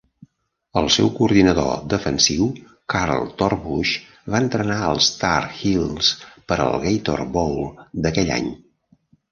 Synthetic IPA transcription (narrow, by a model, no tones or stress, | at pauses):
əlˠsɛwkuːɾðinəðo̰d̪əfənsiw | kaɾlˠt̪ɔrβuʃ | βaənt̪ɾənaəlˠst̪arxilˠspəɾə̰lˠɣejt̪ɔ̰rβowlˠd̪əkɛʎa̰ɲ